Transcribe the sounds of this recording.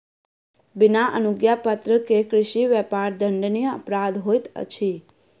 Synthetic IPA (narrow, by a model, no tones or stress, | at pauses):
bɪnaʔə̰nʊɡjapət̪ɾəkekɾɪʃiʋɛpaɾd̪əɳɖnijəə̰pɾad̪ɦojt̪ə̰t͡ʃʰi